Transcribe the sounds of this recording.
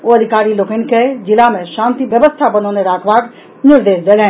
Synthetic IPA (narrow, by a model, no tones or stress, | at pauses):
oːɐd̪ʱɪkaːɾiloːkɪn̆ked͡ʒɪlamẽʃãːnt̪iʋjəʋəst̪ʰabɐnoːneɾaːkʰʋaːk | nɪɾd̪eːʃd̪elɛ̃